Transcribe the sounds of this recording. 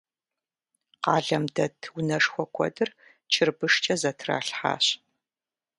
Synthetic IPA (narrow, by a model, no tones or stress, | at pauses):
qɑːɮɐmdɐtʰwʊnɐʂxʷɔkʷʰɔ̰dɨr | t͡ʃʰɪrbɨʂt͡ʃʼɐzɐtʰra̰ːɬħa̰ːɕ